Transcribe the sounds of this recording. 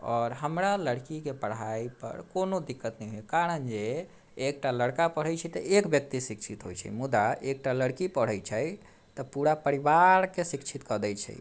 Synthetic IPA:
ɔːɾɦəmɾaləɽkikepəɽ̤aipə̰ɾkonod̪ikːət̪nɛjɦoekaɾənd͡ʒeː | k̚ʈaləɽkapəɽ̤ɛjt͡ʃʰɛt̪əʔekbjək̚t̪isikt͡ʃʰit̪ɦo̰jt͡ʃʰɛ̰mud̪aek̚ʈaləɽkipəɽ̤ɛjt͡ʃʰɛj | t̪əpuɾapəɾibaɾkesikt͡ʃʰit̪kəd̪ɛjt͡ʃʰɛ̰j

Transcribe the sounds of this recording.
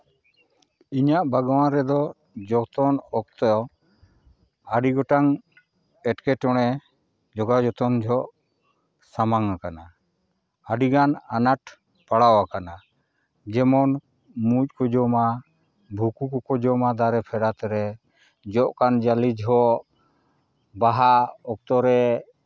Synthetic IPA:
iɲaʔbʱaɡawãɾɛd̪ɔ | d͡ʒɔt̪ɔnɔk̚t̪ɔɔ | aɖiɡɔʈaŋ | ɛʈkɛʈɔɽ̃ɛ | d͡ʒɔɡad͡ʒɔt̪ɔnd͡ʒʱɔʔ | samaŋakana | aɖiɡananaʈ | paɽawakana | d͡ʒɛmɔn | muc̚ˀkɔd͡ʒɔma | bʱukukɔkɔd͡ʒɔmad̪aɾɛpʰɛɽat̪ɛɾɛ | d͡ʒɔʔkand͡ʒalid͡ʒɦɔʔ | baɦaɔk̚t̪ɔɾɛ

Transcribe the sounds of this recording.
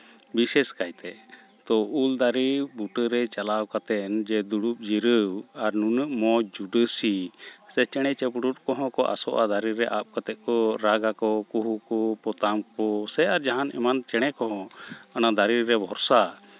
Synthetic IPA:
bisɛskajt̪ɛ | t̪ɔuld̪aɾibuʈəɾɛt͡ʃalawkat̪ɛnd͡ʒɛd̪uɽup̚d͡ʒiɾəwaɾnunəʔmɔd͡ʒuɖəsisɛt͡ʃɛɽ̃ɛt͡ʃɛpɖut̚kɔɦɔ̃kɔʔa̰sɔʔad̪aɾiɾɛʔap̚kat̪ɛʔ̪̚kɔɾaɡakɔkuɦukɔpɔt̪amkɔsɛaɾd͡ʒaɦanɛ̰mant͡ʃɛɽ̃ɛkɔɦɔ̃anad̪aɾiɾɛbʱɔɾsa

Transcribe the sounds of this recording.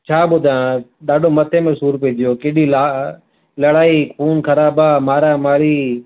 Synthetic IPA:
t͡ʃʰaːɓʊd̪ʱaãɗaːɖʱomət̪ʰemẽsuːɾpiiːd̪ijoːkeɗiːlaː | lɐɽaːikʰuːnkʰəɾaːbaːmaːɾaːmaːɾiː

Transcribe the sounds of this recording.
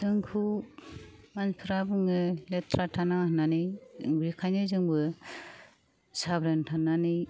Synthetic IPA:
z̥ɯŋkʰu | manpʰiɾabɯŋɯletʰɾatʰanahnanɯjŋbɾikʰajnɯzɯŋbɯ | sabɾentʰanːani

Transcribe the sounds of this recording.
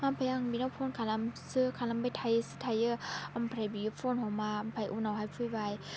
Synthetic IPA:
ampʰajaŋbinawpʰɔnkʰalamsɯkʰalambajtʰajɯsɯtʰajɯampʰɾajbiɡɯpʰɔnhɔmaːmpʰajʔunawɦajpʰɯjbaj

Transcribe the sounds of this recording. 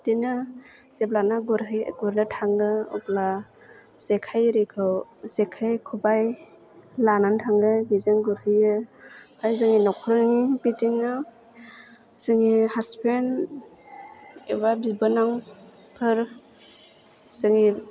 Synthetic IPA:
tinɯ | zeplanaɡuɾɦɯjɡuɾnatʰaŋɡɯṵpla | z̥ekʰajɾikʰɯwz̥ekʰajkʰubaj | lanantʰaŋɡɯbizɯŋɡuɾhɯjɯpʰajzɯŋinɔkʰɔɾŋibitiŋɯ | z̥ɯŋihaspʰen | eβabibɯnaŋ | pʰɯɾ | z̥ɯŋi

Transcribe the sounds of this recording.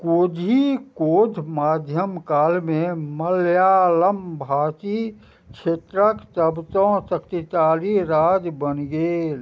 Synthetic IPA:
koːd̪ʱikoːd̪ʱmaːd̪ʱjəmkaːlmẽməljaːləmbʱaːt͡ʃi | kʃʰeːt̪ɾəkt̪əbt̪õsəkt̪it͡ʃaːliɾaːd͡ʒbənɡeːl

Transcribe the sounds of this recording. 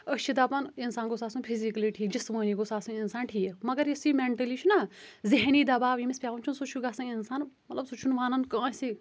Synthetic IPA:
ət͡ʃʰid̪apɐninsaːnɡosaːsunpʰizikɐliʈʰiːk̚d͡ʒɐsmɐ̃ːniɡosaːsuninsaːnʈʰiːkmɐɡɐɾjisimeɳʈɐlit͡ʃʰunaziɦniːd̪ɐbaːʋjimispʲjaːʋɐnt͡ʃʰunsut͡ʃʰuɡasɐ̃ninsaːnmɐt̪lɐbsut͡ʃʰunʋaːnɐnkãːsi

